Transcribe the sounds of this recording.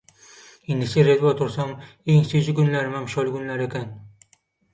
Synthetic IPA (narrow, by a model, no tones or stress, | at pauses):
end̪ɪseɾet̪bɒt̪ʰʊɾsam | eŋsod͡ʒɪɡʊnlaɾmamʃɒlˠɪɡʊnlaɾekʲan